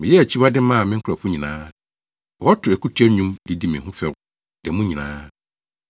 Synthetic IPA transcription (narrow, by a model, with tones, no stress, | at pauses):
mɪ̃˨jɛ˦æ˨t͡ɕʰi˦wa˦dɪ˦mã˦a˨mɪ̃˦ŋ̩˦kʰɾɔ˨fʊ˦ɲĩ˨nãː˦˨˦ | ɔ˦tʰʊ˨æ˨kʰu˦tʰᶣɛ˦ɲũ˦mdɪ˦di˦mɪ̃˨ɦʊ̃˦fɛ˨ | dɛ˨mũ˦ɲĩ˨nã̰ː˦